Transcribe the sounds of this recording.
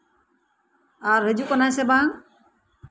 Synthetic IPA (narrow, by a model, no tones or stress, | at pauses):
aɾɦed͡ʒuʔkɔnajsɛbaŋ